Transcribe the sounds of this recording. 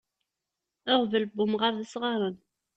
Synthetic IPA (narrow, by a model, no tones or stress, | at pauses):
əʁvəlbːʊmʁəɾðəsʁɑɾˤən